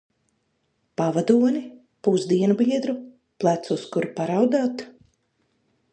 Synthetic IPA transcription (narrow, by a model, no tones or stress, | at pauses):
pavad̪uɔni | puzd̪iɛnubiɛd̪ɾu | plˠat̪suskuɾpaɾawd̪aːt̪